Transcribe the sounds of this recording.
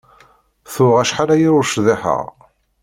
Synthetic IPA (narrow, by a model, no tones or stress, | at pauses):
θʊʁæʃħalæjiɾʊʃðɪħə̰ʁ